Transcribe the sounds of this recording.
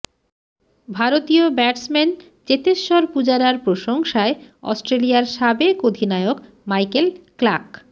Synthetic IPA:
bʱaɾot̪iobɛʈsmɛn | t͡ɕet̪eʃːɔɾpud͡ʑaɾaɾpɾoʃoŋʃaeɔ̰sʈɾeliaɾʃabekod̪ʱinaeok | majkelklak

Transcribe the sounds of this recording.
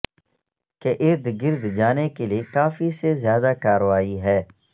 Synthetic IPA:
keʔɪɾd̪ɡɪɾd̪d͡ʒaːnekeliekaːfisezjaːd̪akaːɾʋaːiɦɛː

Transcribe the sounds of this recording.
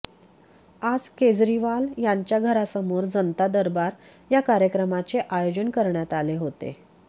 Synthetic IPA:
ad͡zked͡zɾiʋaljaɲt͡ɕjaɡʱəɾasəmoɾd͡zənt̪ad̪əɾbaɾ | jakaɾjəkɾəmat͡seʔajod͡ʑənkəɾɳjat̪aleɦot̪ḛ

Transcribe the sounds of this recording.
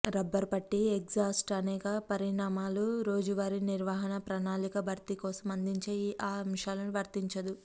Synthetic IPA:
ɾɐbːɐɾpɐʈːieksaːsʈɐnɛːkɐpɐɾiɳaːmaːluɾo̞ːd͡ʒuʋaːɾiniɾʋaːɦɐnɐpɾɐnaːlikɐbʱɐɾt̪ikɔːsɐmɐnd̪iɲt͡ʃeːiːʔaːɾɐmʂaːlɐnuʋɐɾt̪iɲt͡ʃɐd̪u

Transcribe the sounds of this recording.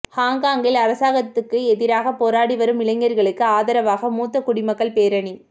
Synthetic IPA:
haːŋɡaːŋɡɪlɐɾɐsaːɣɐt̪ːɯkːɯɛðɪɾaːɣɐpoːɾaːɽiʋɐɾɯmɪlɐɪŋːɐɾɣɐɭɯkːɯaːðɐɾɐʋaːɣɐmuːt̪ːɐkʊɽɪmɐkːɐɭpeːɾɐɳi

